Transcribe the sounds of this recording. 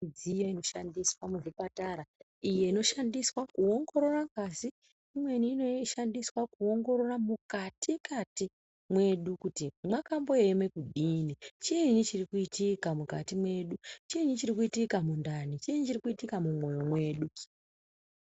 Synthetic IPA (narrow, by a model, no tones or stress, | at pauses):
d͡zijaino̞ʃandiswamuʐipataɾa | ije̞ino̞ʃandiswakuo̞ŋɡo̞ɾo̞rakazi | imwe̞niːno̞ʃandiswakuo̞ŋɡo̞ɾo̞ramukatʰikati | mwe̞ɗukutimwakambo̞emwe̞kuɗinit͡ʃieɲit͡ʃirikuitikamukatimwe̞ɗut͡ʃieɲit͡ʃirikuitikamundanit͡ʃieɲit͡ʃirikuitikamumwojomwe̞ːɗu